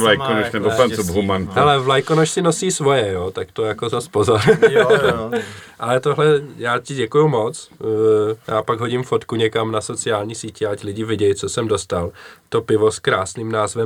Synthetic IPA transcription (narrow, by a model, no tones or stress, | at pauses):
lajkonuʃnɛbofansubɦumankhɛlɛvlajkonoʃsɪno̞siːsvo̞jɛjoːt̪akt̪ojakozaspozaɾ | ʔalɛt̪oɦlɛjaːcɪɟɛkujumo̞t͡s | jaːpaɡɦo̞ɟɪmfo̞t̪kuɲɛkamnaso̞t͡sɪaːlɲiːsiːcɪaclɪɟɪvɪɟɛjt͡so̞sɛmdo̞st̪alt̪o̞pɪvo̞skɾaːsniːmnaːzvɛ